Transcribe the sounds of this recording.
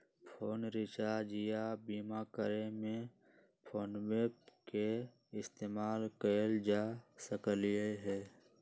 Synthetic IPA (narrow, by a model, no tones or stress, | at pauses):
pʰoːnɾɪt͡ʃaːd͡ʒijabiːmakəɾemẽ | pʰoːnweːp̚ke | ɪst̪eːmaːlkəld͡ʒaːsəkəlijeɦɛː